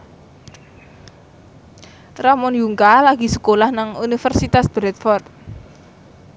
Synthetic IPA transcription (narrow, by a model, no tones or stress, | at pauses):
ramɔnjuŋkalaɡ̥i̤sə̥kolahnaŋunifərsit̪asb̥ɾɛt̪̚fɔrt̪̚